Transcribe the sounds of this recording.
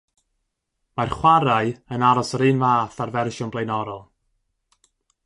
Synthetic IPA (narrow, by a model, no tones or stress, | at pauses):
marχwaɾaɨənaɾɔsəɾɨːnvaːθarvɛrʃɔnblejnɔɾɔlˠ